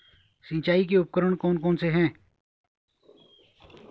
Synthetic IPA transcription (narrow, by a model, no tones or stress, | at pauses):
sĩːt͡ʃaːik̬eʊp̚kəɾəɳ̃koːnkoːnseɦɛ̃ː